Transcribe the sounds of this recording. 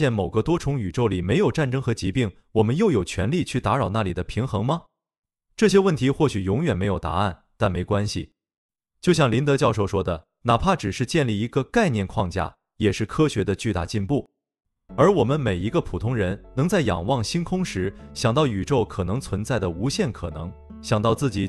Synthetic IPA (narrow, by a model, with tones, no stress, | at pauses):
jɛ˥˩nmo˨˩ʊɡə˦t̪wɔ˥ʈ͡ʂʰʊ˧˥ŋy˨˩ʈ͡ʂo˥˩ʊli˨˩me˧˥ɪjo˨˩ʊʈ͡ʂa˥˩nʈ͡ʂɤ˥ŋxɤ˧˥t͡ɕi˧˥pi˥˩ŋ | wɔ˨˩mə˦njo˥˩ʊjo˨˩ʊt͡ɕʰɥɛ˧˥nli˥˧t͡ɕʰy˥˩t̪a˧˥ɻɑ˨˩ʊna˥˩lḭ˨˩d̪ə˦pʰi˧˥ŋxɤ˧˥ŋmɐ˧ | ʈ͡ʂɤ˥˩ɕ̬jɛ˥wə˥˩nt̪ʰi˧˥xwɔ˥˩ɕy˨˩jʊ˧˥ŋɥɛ˨˩nme˧˥ɪjo˨˩ʊt̪a̰˧˥a˥˩n | t̪a˥˩nme˧˥ɪkwa˥nɕḭ˨ | t͡ɕjo˥˧ʊɕ̬jɑ˥˩ŋli˧˥nt̪ɤ˧˥t͡ɕjɑ˥˧ʊʂ̬o˥˩ʊʂwɔ˥d̪ə˨ | na˨˩pʰa˥˩ʈ͡ʂɻ̩˨˩ʂɻ̩˥˧t͡ɕjɛ˥˧nli˥˩i˧˥ɡə˧ka˥˧ɪnjɛ˥˧nkʰwɑ˥˧ŋt͡ɕja̰˥˩ | jɛ˨˩ʂɻ̩˥˩kʰɤ˥ɕɥɛ˧˥d̪ə˧t͡ɕy˥˧t̪a̰˥˩t͡ɕi˥˧npu˥˩ | ə˞˧˥wɔ˨˩mə˦nme˨˩ɪi˧˥ɡə˧pʰu˨˩t̪ʰʊ˥ŋɻə˧˥nnɤ˧˥ŋt͡sa˥˩ɪjɑ̰˨˩ŋwɑ˥˩ŋɕi˥nkʰʊ˥ŋʂɻ̩˧˥ɕjɑ˨˩ŋt̪ɑ˥˩ʊy˨˩ʈ͡ʂo˥˩ʊkʰɤ˨˩nɤ˧˥ŋt͡sʰwə˧˥nt͡sa˥˩ɪd̪ə˩u˧˥ɕjɛ˥˩nkʰɤ˨˩nɤ̰˧˥ŋ | ɕjɑ˨˩ŋt̪ɑ˥˧ʊt͡sɹ̩˥˩t͡ɕi˨˥˦